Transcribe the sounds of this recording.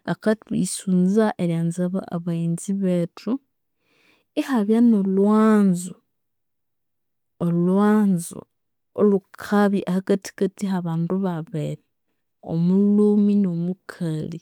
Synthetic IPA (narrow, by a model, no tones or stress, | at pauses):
akatuisunzaʔeljaːnzaβa̰aβaiːnziβetʰu | ehaβjanolwaːnzo | olwaːnzo̰ | olukʰaβiʔahakati̥katiɦaβaːnduβaβeɾe | o̰muluːminomukʰali